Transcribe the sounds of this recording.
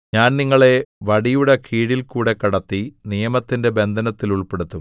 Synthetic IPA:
ɲaːnniŋːɐɭe̞ʋɐɽijuɽekʰiːɽilkuːɽe̞kːɐɽɐt̪ːinijɐmɐt̪ːinde̞be̞nd̪ʱɐnɐt̪ːiluɭpe̞ɽut̪ːum

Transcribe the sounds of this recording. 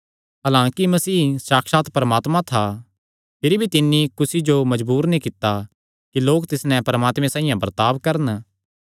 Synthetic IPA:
ɦɐlãːkimɐsiːsaːkʃaːt̪pɐɾɐmaːt̪mãt̪ʰa | pʰɪɾibʱit̪ɪnːikʊsid͡ʒomɐd͡ʒbuːɾnĩkɪt̪ːa | kiloːkt̪ɪsnɛpɐɾɐmaːt̪mẽsãːĩjãbɐɾt̪aːʋkɐɾən

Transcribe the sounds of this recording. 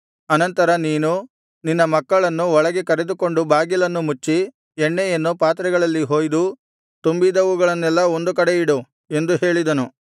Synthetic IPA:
ɐnɐnt̪ɐɾɐniːnu | ninːɐmɐkːɐɭɐnːuɔɭɐɡekɐɾe̞d̪uko̞ɳɖubʱaːɡilɐnːumut͡ʃːi | ɛɳːɛjɐnːupaːt̪ɾɐɡɐɭɐlːiɦo̞ːjd̪u | t̪umbid̪ɐʋuɡɐɭɐnːɛlːɐo̞nd̪uk̬ɐɽeiɽu | end̪uɦe̞ːɭid̪ɐnu

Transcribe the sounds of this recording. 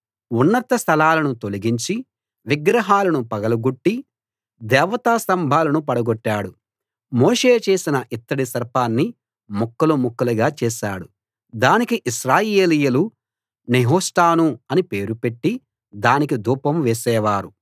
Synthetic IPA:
unːɐt̪ɐst̪ʰɐlaːlɐnut̪oliɡiɲt͡ʃi | ʋiɡɾɐɦaːlɐnupɐɡɐlɐɡuʈːi | d̪ɛːʋɐt̪aːsɐmbʱaːlɐnupɐɽɐɡɔʈːaːɽu | moːʂeːt͡ʃe̞ːsinɐʔit̪ːɐɽisɐɾpaːnːi | mukːɐlumukːɐlɐɡaːt͡ʃɛːʃaːɽu | d̪aːnikiʔiʃɾaːjeːlijɐlu | neɦoːsʈaːnuɐnipe̞ːɾupe̞ʈːi | d̪aːnikid̪uːpɐmʋɛːsɛːʋaːɾu

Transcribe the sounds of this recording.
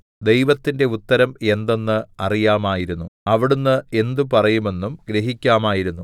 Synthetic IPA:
d̪e̞jʋɐt̪ːinde̞ut̪ːɐɾɐme̞nd̪o̞nːɨɐrijaːmaːjiɾunːuɐʋiɽunːɨe̞nd̪upɐrɐjume̞nːumɡɾeɦikʲːaːmaːjiɾunːu

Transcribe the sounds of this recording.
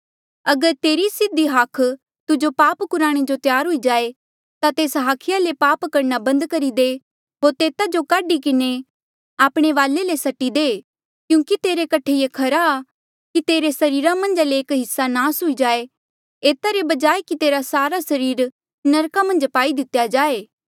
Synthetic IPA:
ɐɡəɾt̪eːɾisɪd̪iɦakʰ | t̪ʊd͡ʒopaːpkʊɾaːɽ̃ed͡ʒot̪jaːɾɦʊid͡ʒaːe | t̪at̪eːsɦaːkʰɪjalepaːpkɐɾnabɐ̃nd̪kɐɾid̪e | ɦoːɾt̪eːt̪ad͡ʒokaːɖikɪne | aːpɽ̃eʋaːlelesɐʈːid̪eː | kjũːkit̪eːɾekɐʈʰejekʰɐɾaː | kit̪eːɾesɐɾiːɾamɐ̃nd͡ʒaleːkɦɪsːanaːsɦʊid͡ʒaːe | eːt̪aɾebɐd͡ʒaːekit̪eːɾasaːɾasɐɾiːɾ | nɐɾkamɐ̃nd͡ʒpaːid̪ɪt̪ːjad͡ʒaːeː

